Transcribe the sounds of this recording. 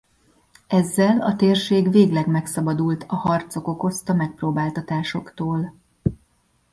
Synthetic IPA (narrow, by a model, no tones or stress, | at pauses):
ɛzːɛlɒt̪eːrʃeːɡveːɡlɛɡmɛksɒbɒd̪ult̪ʰɒhɒrt̪so̞ko̞ko̞st̪ɒmɛk̚proːbaːlt̪ɒt̪aːʃo̞kt̪oːl